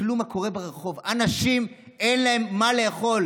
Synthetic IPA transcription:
lumako̞ʁebeʁeχo̞vanaʃim | enlaemːaleaχo̞l

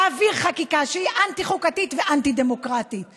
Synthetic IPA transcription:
aviʁχakikaʃehiʔant̪iχukatit̪veʔant̪idemokʁat̪it̪

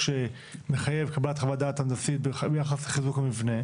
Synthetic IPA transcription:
ʃe | me̞χaje̞vkablat̪χavadat̪andasit̪̚bbejaχasleχizukamivne̞

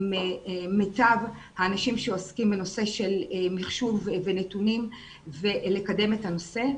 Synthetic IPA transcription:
memetav | haːnaʃimʃeoskimbeno̞se̞ʃe̞lmiχʃuvvenetunim | velekade̞methano̞se̞

